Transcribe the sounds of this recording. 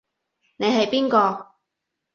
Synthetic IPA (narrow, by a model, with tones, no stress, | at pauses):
ne˨˧jɦɐ˨jpiː˥nkɔː˧